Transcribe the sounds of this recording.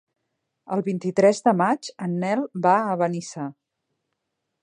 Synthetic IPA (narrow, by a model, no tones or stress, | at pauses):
əlˠβint̪it̪ɾɛzd̪əmad͡ʒənːɛlˠbaəβənisa